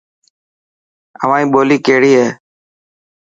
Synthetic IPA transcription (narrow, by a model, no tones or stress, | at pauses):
əʋãːĩːɓoːliːkeːɽiːɦeː